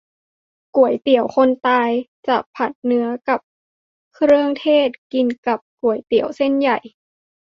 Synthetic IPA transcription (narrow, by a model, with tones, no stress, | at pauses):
ku˨˩əjt̪i˨˩˦əwxʰo˧nt̪aː˧jt͡ɕa˧˩pʰa˨˩t̪̚nɯ˨˦ɐka˨˩p̚ | kʰɾɯ˥˧ə˨ŋt̪ʰeː˥˩t̪̚ki˧nka˨˩p̚ku˨˩əjt̪i˨˩˦əwse˧˥˨nja˨˩j